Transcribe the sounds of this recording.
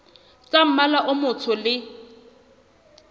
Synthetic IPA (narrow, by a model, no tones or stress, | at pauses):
t͡sʼam̩malaʔʊmʊt͡sʰʊlɪ